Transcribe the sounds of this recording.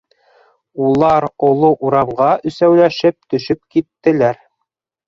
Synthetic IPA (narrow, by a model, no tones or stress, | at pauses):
ulˠɑɾŏlˠoʔuɾɑmʁɑʔɵ̆sæwlæʃɘp̚t̪ɵ̆ʃɵp̚kit̪ːɘ̆læɾ